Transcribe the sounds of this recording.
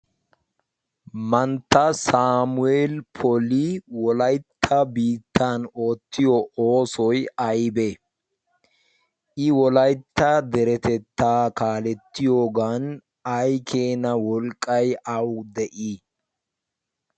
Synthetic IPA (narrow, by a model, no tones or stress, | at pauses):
mɐnt̪ːɐsaːmʊeːlpʰɔliwɔlɐjt̪ʰːɐbiːt̪ːaːno̞ːt̪ːɪjɔoːsɔjɐjbe | ʔɪwɔlɐjt̪ːɐd̪ɛɾɛt̪ɛt̪ːaːkaːlɛt̪ːɪjo̞ːɡan | ɐjkʰeːnɐwɔlkʼːɐjʔɐwd̪ɛʔi